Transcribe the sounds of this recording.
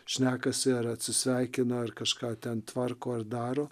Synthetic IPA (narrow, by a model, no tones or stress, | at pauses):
ʃʲnʲæːkɐsʲɪɐɾɐt̪ʲsʲɪsʲʋʲɛɪkʲɪnɐɐrkɐʃkɑːt̪ʲɛnt̪ʋɐrkoːɐrd̪ɑːɾoː